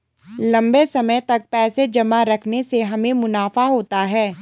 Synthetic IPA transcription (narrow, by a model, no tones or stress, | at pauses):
lɐ̃mbesɐməjt̪ɐk̚pɛːsed͡ʒɐmaɾɐkʰneseɦɐmẽmʊnaːfaɦoːt̪aɦɛː